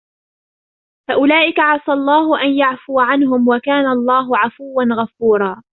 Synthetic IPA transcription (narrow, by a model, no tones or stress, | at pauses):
faʔʊlaːʔɪkaʕɑsˤɑlˤːɑːɦʊʔanjaʕfʊːʕanɦʊmwakaːnalˤːɑːɦʊʕafʊwːanɣafuːɾˤɑː